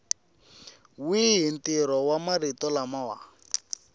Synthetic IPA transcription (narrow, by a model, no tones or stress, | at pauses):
wiɦin̩tiɾɔwamaɾitɔlamawa̰